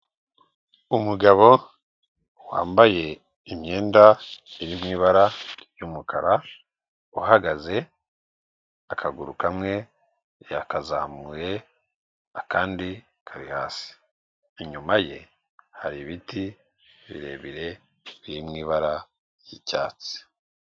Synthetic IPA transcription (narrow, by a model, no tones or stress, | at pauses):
umuɡaβo̞ | wa̰ːmbaje̞ | imɲe̞ːndaeɾimŋiːβaɾajumukaɾa | uɦaɡaze̞ | akʰaɡuɾukamŋe̞ | jakaza̰ːmuje̞ | akaːndi | kʰaɾiha̰ːsi̥ | iɲumaje̞ | haɾiβiti | βḭɾe̞̰ːβiɾe̞ | βiɾimŋiːβaɾa | jica̰ːt͡si̥